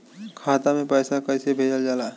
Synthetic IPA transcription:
kʰaːt̪amẽpəːsakəjsebʱeːd͡ʒəld͡ʒaːlaɦɛ

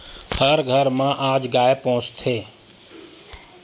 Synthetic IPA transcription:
həɾɡʱəɾmãʔaːd͡ʒɡaːepɔ̃ːʊ̃t͡ʃt̪ʰeː

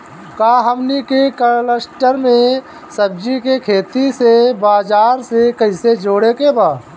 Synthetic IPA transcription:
kaːɦəmnikekəɾləsʈəɾmẽ | səb̚d͡ʒikekʰeːt̪isebaːd͡ʒaːɾsekəɪsed͡ʒoːɽekebaː

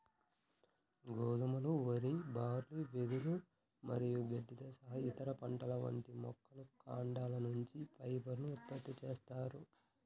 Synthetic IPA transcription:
ɡoːɡ̪umɐluʋɐɾibaːɾliʋed̪uɾu | mɐɾijuɡeɖːid̪ɐsɐɦɐit̪ɐɾɐpɐɳʈɐlɐʋɐ̰ɳʈimɔ̰kʰːɐlukʰaːɳɖaːlɐnuɲt͡ʃipɐjbɐɾnuːt̪̚pɐt̪ːit͡ʃeːst̪aːɾu

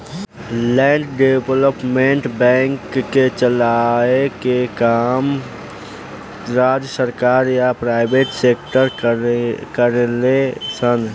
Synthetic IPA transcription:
lɛ̃ːɳɖɖebləpmẽɳʈbɛ̃ːŋkːet͡ʃəlaekekaːm | ɾaːd͡ʒjəsəɾkaːɾjapɾaːɪbeːʈseːkʈəɾ | kəɾlesən

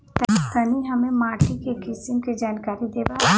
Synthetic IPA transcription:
t̪ɐt̪əniɦɐmẽmaːɾʈikekɪsɪmked͡ʒaːnkaːɾid̪eːba

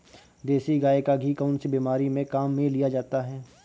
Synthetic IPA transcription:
d̪eːsiɡaːekaɡʱikəʊnsebiːmaːɾimẽkaːmːẽlijad͡ʒaːt̪aɦɛː

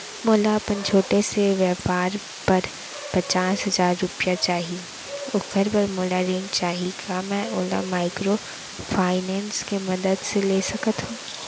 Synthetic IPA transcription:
moːlaɐpənt͡ʃʰoːʈeseʋjɛːpaːɾ | pɐɾ | pɐt͡ʃaːsɦɐzaːɾːʊpijat͡ʃaːɦie | ʊkəɾbɐɾmoːlaɾɪ̃ŋɡt͡ʃaːɦiɡamɛ̃oːla̰maːɪkɾo | fʰaːɪnɛ̃ːnskemɐd̪əd̪seleːsɐkət̪ɦũː

